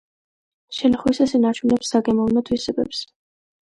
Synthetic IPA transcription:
ʃɛlaχwisasinaɾt͡ʃʰunɛpsaɡɛmɔvnɔt̪ʰwisɛbɛ̰ps

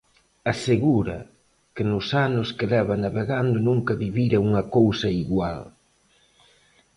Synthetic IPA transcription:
aseɣuɾɐ̰ | kɪnʊsanʊskɪlɛβɐnaβeɣand̪ʊnuŋkɐβiβiɾɐuŋɐkowsɐiɣwa̰l

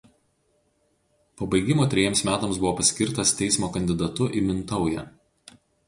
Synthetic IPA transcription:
pobɐɪɡʲɪmoːt̪ʲɾʲɛjɛmsmʲæːt̪omsbʊʋoːpɐsʲkʲɪɾt̪ɐst̪ʲɛɪsmoːkɐnʲd̪ʲɪd̪ɐt̪ʊʔɪmʲɪnt̪ɒʊjɛ̰ː

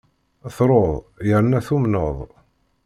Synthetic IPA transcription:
θɾˤoðˤjəɾnæθumnəðˤ

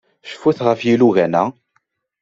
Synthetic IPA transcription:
ʃə̥fːuθʁəfjiluʝænæ

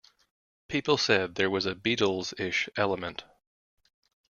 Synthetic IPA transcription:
pʰipl̩ˠsɛd̪̚ðə˞wʌzɨbiɾl̩ˠzɪʃɛlˠəmɨ̃nt

